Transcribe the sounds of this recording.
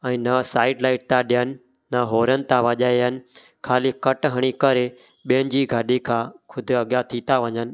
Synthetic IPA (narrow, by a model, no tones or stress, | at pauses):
ɛ̃ːnəsaːɪɖlaːɪʈ̚t̪ãɗijənɪ̆ | nəɦoːɾənɪ̆t̪ãʋəʄaːeɦənɪ̆ | kʰaːliːkəʈɦəɽ̃iːkəɾe | ɓiːən̆d͡ʑiːɡʱaːɗikʰãːkʰʊd̪ʱɐɠjat̪ʰiːt̪aʋəɲənɪ̆